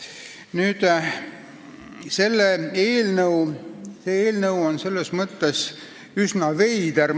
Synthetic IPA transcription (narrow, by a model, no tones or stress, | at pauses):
nyːd̪̥ | se̞lːeeːlnɤwseeːlnəwonse̞lːesmɤt̪ːes | ysnɑve̞jd̪ær